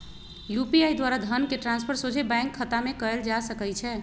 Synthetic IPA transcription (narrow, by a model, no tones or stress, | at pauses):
jupiajd̪waɾad̪ʱənkeʈɾãnspʰəɾsod͡ʒebãŋkʰːət̪amekəeld͡ʒasəkəjt͡ʃʰɛ